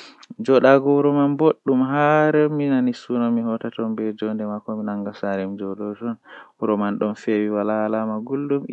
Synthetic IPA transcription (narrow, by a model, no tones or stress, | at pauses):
d͡ʒɔɗaɡɔuɾɔmanboɗːumɦaɾəminanisunɔmihɔtatɔmbɛd͡ʒɔndɛmakɔminaŋɡasaɾɛmd͡ʒɔɗɔd͡ʒɔnuɾɔmanɗɔnfewiwalaːlamaɡulːum